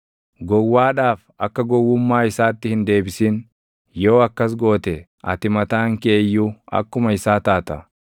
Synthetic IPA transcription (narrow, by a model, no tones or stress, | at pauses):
ɡɔwːaːᶑaːf | ɐkːɐɡɔwːʊmːaːɪsaːt̪ːɪhɪnd̪e̞ːbɪsiːn | jo̞ːɐkːɐs̬ɡo̞ːt̪ɛ | ʔɐ̰t̪ɪmɐt̪aːŋkeːjːuɐ̰kːʊmɐɪsaːt̪aːt̪ɐ